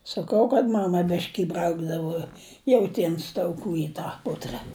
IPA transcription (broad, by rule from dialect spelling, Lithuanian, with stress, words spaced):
sɐˈkɐʊ kɐt ˈmɑːmɐ ˈbʲɪʃʲkʲɪ ɪˈbrɐʊɡdɐʋoː jɛʊˈtʲiɛns tɐʊˈkuː ɪ ˈtɑː ˈpʊtrɐ